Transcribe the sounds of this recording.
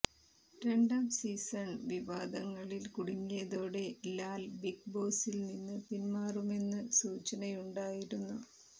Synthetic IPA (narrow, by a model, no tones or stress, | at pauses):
re̞ɳɖaːmsiːsɐɳʋiʋaːd̪ɐŋːɐɭilkuɽiŋːijɐðo̞ːɽe̞laːlbik̚bo̞ːsilninːɨtinmaːrume̞nːɨsuːt͡ɕːɐnɐjuɳɖaːjiɾunːu